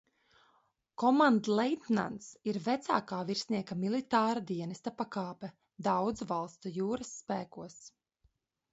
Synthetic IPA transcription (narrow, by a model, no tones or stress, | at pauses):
kɔmand̪lˠɛjt̪na̰nt̪siɾvæt̪sa̰ːkaːviɾsniɛkamilˠit̪aːɾad̪iɛnɛst̪apakaːpɛ | d̪awd̪zvalˠst̪ujuːɾasːpæːkuɔs